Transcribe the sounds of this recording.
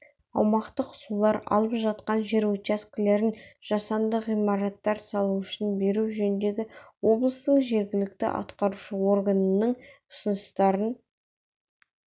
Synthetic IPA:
ɑwmɑqt̪əqʊ̥sulˠɑɾɑ̰lˠəpʒɑt̪qɑnʒe̞ɾut͡ʃaskʲɪle̞ɾɪnʒ̥ɑsɑnd̪əʁijmɑɾɑt̪ːɑɾsɑlˠuʏʃɪnbe̞ɾuʒɵnd̪e̞ɡʲɪwo̞blˠəst̪əɴʒe̞ɾɡʲɪlɪk̚t̪ɪ̰ʔɑ̰t̪qɑɾuʃəwo̞rɡanənəɴʊ̥sənʊst̪ɑɾən

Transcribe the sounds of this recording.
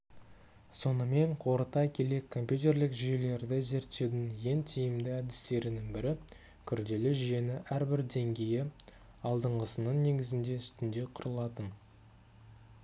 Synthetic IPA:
so̞nəme̞ɴqʰo̞ɾət̪ɑjkʲʰe̞le̞kʰːo̞mpjut̪e̞ɾlɪkʒʏje̞le̞ɾd̪ɪze̞ɾt̪ːe̞wd̪ɪŋje̞nt̪ʰijɪmd̪ɪæd̪ɪst̪e̞ɾɪnɪŋbɪɾɪ | kʲʰʏɾd̪e̞lɪʒʏje̞nɪʔæɾbɪɾd̪e̞ŋɡʲe̞jɪ | ɑlˠd̪əɴʁəsənəɴne̞ɡʲɪzɪnd̪e̞ʏst̪ɪnd̪e̞qʰʊɾəlˠɑt̪ən

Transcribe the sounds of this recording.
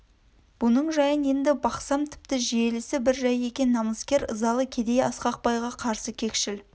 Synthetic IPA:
b̥ʊnəɴʒɑjənje̞nd̪ɪbɑqsɑmt̪ʰɪ̥p̚t̪ɪʒije̞lɪsɪbɪɾʒɑje̞kʲe̞nːɑməskʲe̞ɾə̰zɑlˠəkʲʰe̞d̪e̞jɑsqɑq̚pɑjʁɑqʰɑɾsəkʲʰe̞kʃɪl

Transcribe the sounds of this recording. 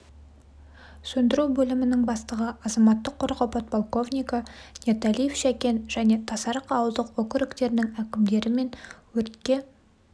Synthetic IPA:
sɵnd̪ɪɾuwbɵlɪmɪnɪŋbɑst̪əʁəʔɑzɑmɑt̪ːəqʰːoɾqopɑt̪̚pʰolˠko̞vnʲijkɑnʲet̪alijefʃækʲe̞nʒæne̞t̪ʰɑsɑɾqɑwəzd̪əqwɵkʲɪɾɪkt̪e̞ɾnɪŋækʲɪmd̪e̞ɾɪme̞nwɵt̪kʲe̞

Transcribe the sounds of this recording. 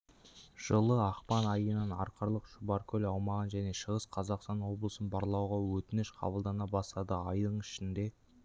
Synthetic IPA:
ʒ̥əlˠəɑqpɑnɑjənɑnɑ̰ɾqʰəɾlˠəqʃʊbɑɾkʲʰɵlɑwmɑʁənʒæne̞ʃəʁəsqʰɑzɑqst̪ɑnwo̞blˠəsənbɑɾlˠɑwʁɑwɵt̪ɪnɪʃqʰɑ̰bəlˠd̪ɑnɑbɑst̪ɑd̪əɑjd̪əɴɪʃɪnd̪e̞

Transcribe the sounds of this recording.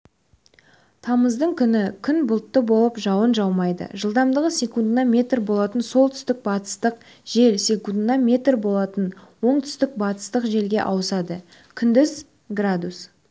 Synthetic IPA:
t̪ʰɑməzd̪əɴkʲʰʏnɪkʲʰʏnbʊlˠt̪ːəbo̞lˠəpʒɑwənʒɑwmɑjd̪ə̰ʒəlˠd̪ɑmd̪əʁəse̞kund̪nɑmʲe̞t̪rbo̞lˠɑt̪ənso̞lˠt̪ʰʏ̥st̪ɪk̚bɑt̪ə̥st̪əq | ʒ̥e̞lsʲe̞kund̪nɑmʲe̞t̪rbo̞lˠɑt̪ənwo̞ɴt̪ʰʏ̥st̪ɪk̚bɑt̪ə̥st̪əqʒe̞lɡʲe̞̰ʔɑwəsɑd̪ə | kʲʰʏnd̪ɪz | ɡrad̪us

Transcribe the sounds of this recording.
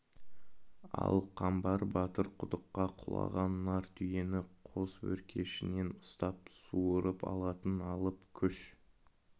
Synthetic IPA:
ɑ̰lˠqʰɑmbɑɾbɑt̪əɾqʰʊd̪əqːɑqʰʊlˠɑ̰ʁɑnːɑɾt̪ʰʏje̞nɪqʰo̞swɵ̰ɾkʲʰe̞ʃɪne̞nʊst̪ɑp̚suəɾəpɑ̰lˠɑt̪ənɑlˠəpkʲʰʏʃ

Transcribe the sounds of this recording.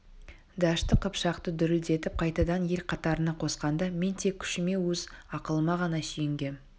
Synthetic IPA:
d̪ɑʃt̪əqʰəpʃɑqt̪əd̪ʏɾɪld̪e̞t̪ɪp̚qʰɑjt̪ɑd̪ɑnje̞lqʰɑt̪ɑɾənɑqʰo̞sqɑnd̪ɑme̞nt̪ʰe̞kʲʰʏ̥ʃɪme̞wɵzɑqəlˠəmɑʁɑnɑʃijɪŋɡʲe̞m

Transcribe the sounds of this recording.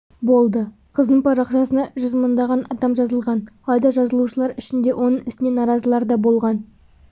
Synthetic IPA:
bo̞lˠd̪ə | qʰəzd̪əɴpʰɑɾɑχʃɑsənɑʒʏzmənd̪ɑʁɑnʔɑd̪ɑmʒɑzəlˠʁɑnɑlˠɑjd̪ɑʒɑzəlˠuʃəlˠɑɾɪʃɪnd̪e̞wʔo̞nəɴɪst̪ɪnenɑɾɑzəlˠɑɾd̪ɑbo̞lˠʁɑn

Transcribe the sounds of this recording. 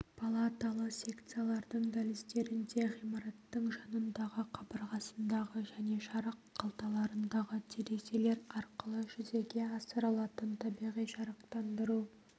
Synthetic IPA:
pʰalˠat̪alˠəqsʲe̞kt̪sɨjalˠɑɾd̪əɴd̪alɪst̪e̞ɾɪnd̪e̞ʁijmɑɾɑt̪ːəɴʒɑnənd̪ɑʁəqʰɑbəɾʁɑsənd̪ɑʁəʒæne̞ʃɑɾəqːʰɑlˠt̪ɑlˠɑɾənd̪ɑʁət̪ʰeɾe̞se̞le̞ɾɑɾqəlˠəʒʏze̞ɡʲe̞ɑsəɾɑlˠɑt̪ənt̪ʰɑbijʁijʃɑɾəq̚t̪ɑnd̪əɾu

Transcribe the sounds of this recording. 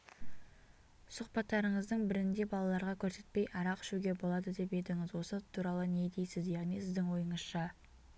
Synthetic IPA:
sʊqpɑt̪ːɑɾəɴəzd̪əɴbɪɾɪnd̪e̞bɑlˠɑlˠɑɾʁɑkʲʰɵɾse̞t̪̚pe̞jʔɑɾɑqɪ̥ʃuɡʲe̞bo̞lˠɑd̪əd̪e̞pe̞d̪ɪŋɪzwo̞sət̪ʰuɾɑlˠəne̞d̪e̞jsɪzjɑʁnijsɪzd̪ɪŋwo̞jəɴəz̥ʃɑ

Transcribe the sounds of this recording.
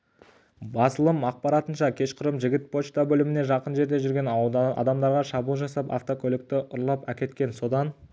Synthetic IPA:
bɑsəlˠəmɑq̚pɑɾɑt̪ənʃɑkʲʰe̞ʃqʰʊɾəmʒɪɡʲɪt̪̚pʰo̞t͡ʃt̪abɵlɪmɪne̞ʒɑqənʒe̞ɾd̪e̞ʒʏɾɡʲe̞nɑ̰d̪ɑmd̪ɑɾʁɑʃɑbuːlˠʒɑsɑpɑ̰ft̪o̞kʲʰɵlɪk̚t̪ɪʔʊɾlˠɑpækʲe̞t̪kʲe̞nso̞d̪ɑn

